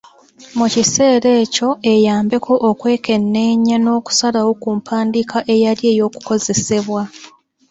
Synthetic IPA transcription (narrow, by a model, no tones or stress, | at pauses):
mucise̞ːɾe̞ːco̞e̞jaːmbe̞kʰo̞ʔːkwe̞ːke̞nːe̞ːɲːano̞ːku̥salawo̞kuːmpʰaːndikʰaʔe̞jalje̞ːjo̞ːku̥ko̞ze̞se̞βwa